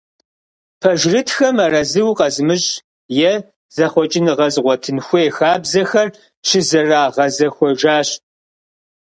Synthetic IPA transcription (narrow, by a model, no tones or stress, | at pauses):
pʰɐʒrɨtʰxɐmɐrɐzɨwqɐzɨmɨɕ | jɛ | z̥ɐχʷɔt͡ʃʼɪnɨʁɐzʁʷɔtʰɨnxʷeːxaːbzɐxɐr | t͡ʃʰɪzɐraːʁɐzɐxʷɔʒaːɕ